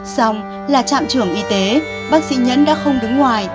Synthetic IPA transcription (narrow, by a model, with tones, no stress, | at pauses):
sa˧wŋ͡m | laː˨˩t͡ɕa̰ː˧˨mt͡ɕɨ˧˩əŋʔi˧t̪e˨˦ | ɓaː˦˥k̚sḭ˧˥ɲə̰˧˥nɗa̰ː˧˥xə˧wŋ͡mɗɨ˨˦ŋːwaː˨˩j